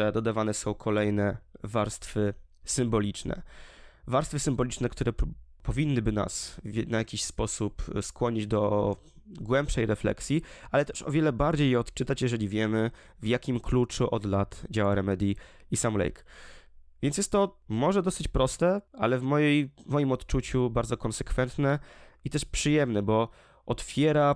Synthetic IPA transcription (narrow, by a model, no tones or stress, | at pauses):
ɛd̪ɔd̪avanɛsɔ̃w̃kʰɔlɛjnɛvaɾst̪fɘ | sɘmbɔlʲit͡ʂnɛ̰vaɾst̪fɘsɘmbɔlʲit͡ʂnɛkt̪uɾɛ | pɔvʲinːɘbɘna̰svnajakʲiɕspɔsupskwɔɲid͡ʑd̪ɔ | ɡwɛmpʂɛjɾɛflɛ̰ksʲjialɛt̪ɛ̥ʂɔ̰vʲjɛlɛbaɾd͡ʑejːɛɔt̪t͡ʂɘt̪at͡ɕjɛʐɛlʲivʲjɛmɘ | vjakʲimklut͡ʂuʔɔd̪lat̪d͡ʑawaɾɛmɛd̪ʲi | isamlɛ̰jk | vʲjɛnsjɛst̪t̪ːɔmɔʐɛd̪ɔsɘt͡ɕpɾɔst̪ɛa̰lɛvmɔjejmɔjimɔt̪t͡ʂut͡ɕubaɾd̪zɔkɔnsɛkfɛnt̪nɛit̪ɛʂpʂɘjɛmnɛbɔ | ʔɔt̪fʲjɛɾa